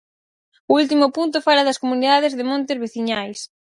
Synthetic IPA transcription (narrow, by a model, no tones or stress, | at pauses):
ʊult̪̬imʊpunt̪ʊfaɾɐðɐskomuniðað̞ɪzðemõnt̪ezβeθiɲajs